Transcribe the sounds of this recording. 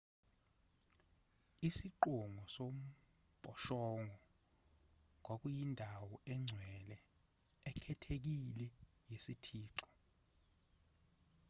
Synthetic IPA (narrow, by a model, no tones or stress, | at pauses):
isiǃuŋʱɔsom̩ | pʼɔʃɔŋʱɔ | k̬wak̬ujindʱawɔɛŋ͡ǀʱwɛlɛ | ɛkʰɛtʰek̬ilɛ | jesitʰiːǁɔ